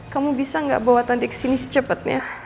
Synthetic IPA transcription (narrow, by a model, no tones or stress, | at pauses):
kamubisaŋɡa̰ʔbawat̪andɛksinisə̥t͡ʃəpət̪̚ɲa̰